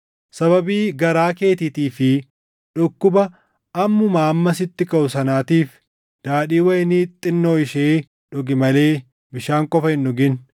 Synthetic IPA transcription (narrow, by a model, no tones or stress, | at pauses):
sɐbɐbiːɡɐɾaːke̞ːt̪ɪt̪iːfɪ | ᶑʊkːʊbɐ | ʔɐmːʊmaːmːɐsɪt̪ːɪkɐʔʊsɐnaːt̪iːf | d̪̥aːᶑiːwɐjɪniːt̪ʼɪnːo̞ːɪʃeː | ᶑʊɡɪmɐleː | bɪʃaːŋkʼɔfɐhɪnːʊɡɪn